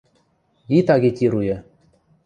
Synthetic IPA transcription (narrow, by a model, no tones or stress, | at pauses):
it̪ɑɡʲet̪ʲiɾujĕ